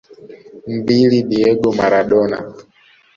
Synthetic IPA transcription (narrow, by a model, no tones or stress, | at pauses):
m̩biliniɛɡɔmaɾaɗɔna̰